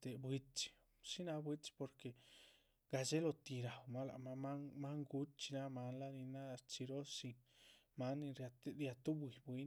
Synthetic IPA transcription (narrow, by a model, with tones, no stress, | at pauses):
t̪e˨bwi˧t͡ʃi̥˧ | ʃi˦na˧bwi˦t͡ʃpo˧ɾke˨ | ɡa˧d͡ʒe˦lo˧t̪i˧ɾa˨wma˦la̰˨˧ma˧ma˦ma˦ŋɡu˧˦t̚t͡ʃi˧na˦ma˧˦nla˦ni˧na˦ɾt͡ʃi˧ɾo˦sʃi˧ma˦nːi˧ɾa˧t̪ɾja˧t̪u˦bwi˨bwi˧˦n